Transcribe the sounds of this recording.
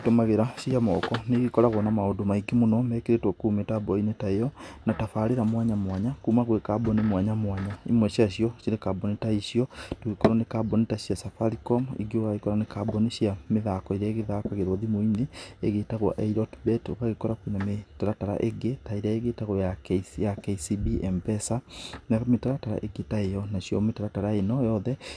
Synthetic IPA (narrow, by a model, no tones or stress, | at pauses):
tomaɣeɾaʃjamɔ̰kɔneɣikɔɾaɣwɔnamaondomaiɡemonɔmɛkeɾetwɔkuːmetabɔinetaejɔnatafaɾeɾamwaɲamwaɲakuːmaɣwekabɔnimwaɲamwaɲaimwɛɕiaɕiɔʃiɾekabɔnitaiɕiɔtoɣekɔɾɔnekabɔnitaɕiasafaɾikɔmḭɡeɣaɣekɔɾanekabɔniɕjameðakɔiɾɛɣeðaːkaɣeɾwoðimoineeɣetaɣwa̰ʔeiɾɔtbɛto̰kaɣekɔɾakwinametaɾataɾa̰ʔeɡetaiɾaeɣetaɣwajakjakesibiɛmpɛsanametaɾataɾa̰ʔeɡetaejɔnaɕijɔmetaɾataɾaenɔjɔðɛ